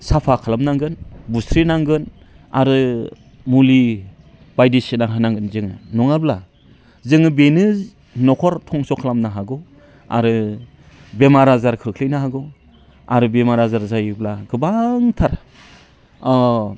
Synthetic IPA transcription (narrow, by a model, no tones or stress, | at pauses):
sapʰakʰalamnaŋɡɯnbustʰɾinaŋɡɯn | a̰ɾɯ | muli | bajdisinaɦɯnaŋɡɯnzɯŋɯnɔŋabla | zɯŋɯbenɯ | nɔkʰɔɾtʰɔŋsɔkʰalamnaɦaɡɔ | a̰ɾɯ | bemaɾazaɾkʰɯɾɯkʰlijnaɦaɡɔ | a̰ɾɯbemaɾazaɾzajblaɡɯbaŋtʰaɾ